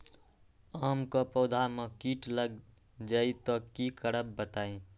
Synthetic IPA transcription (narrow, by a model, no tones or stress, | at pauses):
aːmkɔpɔːd̪ʱamekiʈləɡ | d͡ʒait̪ɔkikəɾəbːət̪aẽ